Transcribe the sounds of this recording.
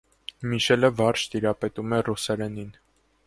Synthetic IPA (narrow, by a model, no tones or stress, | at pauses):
miʃɛləvɑɾʃt̪iɾɑpɛt̪umɛrusɛɾɛnin